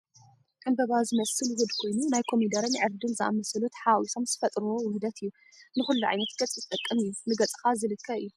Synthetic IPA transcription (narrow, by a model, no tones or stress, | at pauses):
kʼɨnbɐβazɨmɐsɨlwʊd̪kʰo̞jnunajkʰo̞mid̪ɐɾɨnʕɨɾd̪ɨnzɨʔa̰mɐsɐlut̪ʰħawisʰo̞mzɨfɐt̪ʼɾuwowɨmd̪ɐt̪ʰɨjːu | nɨxulːuʕa̰jnɐt̪ɡ̥ɐt͡sʼizɨt̪ʼɐkʼːɐmɨjːunɨɡɐt͡sʼɨ̥kazɨlɨkʰːɐɨjːu